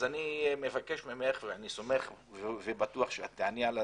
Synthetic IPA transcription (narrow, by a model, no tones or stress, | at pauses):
animevake̞ʃmemeχveaniso̞me̞χ | vvebat̪uaχʃeat̪ːeʕaniala